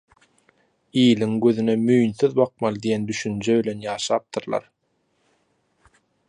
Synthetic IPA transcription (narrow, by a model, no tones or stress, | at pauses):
iːliŋɡøðynemyjnθyðbɑq̚mɑlˠd̪ijend̪yʃynd͡ʒøβilʲe̞njɑːʃɑːp̚t̪ʰɯɾlˠɑ̰ɾ